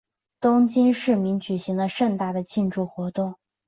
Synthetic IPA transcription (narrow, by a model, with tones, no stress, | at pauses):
t̪ʊ˥ŋt͡ɕi˥nʂɻ̩˥˩mi˧˥nt͡ɕy˨˩ɕi˧˥ŋlə˧ʂə˥˧nt̪a˥˩d̪ə˩t͡ɕʰi˥˧nʈ͡ʂu˥˩xwɔ˧˥t̪ʊ˥˩ŋ